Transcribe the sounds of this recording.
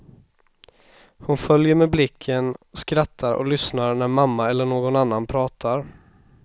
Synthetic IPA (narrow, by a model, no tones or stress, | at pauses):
hʊnfœljəɾmeːblɪkʰːənskɾat̪ʰːaɾɔ̰lʏsnaɾnæɾmamːaɛlːəɳoːɡɔnanːanpʰɾɑːt̪ʰaɾ